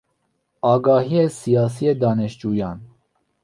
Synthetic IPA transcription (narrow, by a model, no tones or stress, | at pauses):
ɑːɡɑːhijesijɑːs̬ijed̪ɑːnɛʃt͡ʃuːjɑn